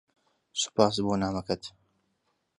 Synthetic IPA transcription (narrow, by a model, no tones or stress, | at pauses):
sʊ̥paːs̬boːnaːmɐkɐt̪